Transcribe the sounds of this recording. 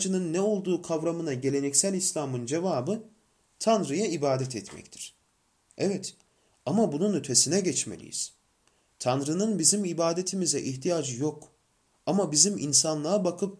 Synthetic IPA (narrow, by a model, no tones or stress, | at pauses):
d͡ʒɯnɯnːɛo̞lˠd̪uːkʰavɾamɯnaɟe̞lʲe̞nɛcsælʲislʲaːmɯnd͡ʒe̞vaːbɯ | t̪ʰanɾɯjaibaːd̪ɛt̪ʰɛt̪mɛ̰ct̪ʰi̥ɾ̥ | ɛvɛt̪ | amabununyt̪ʰe̞sinɛɟɛt͡ʃmḛlʲḭjḭz̥ | t̪ʰanɾɯnɯnbizimibaːd̪e̞t̪ʰimizɛʔiçt̪ʰijaːd͡ʒɯjo̞k | amabiziminsanlˠaabakʰɯp̚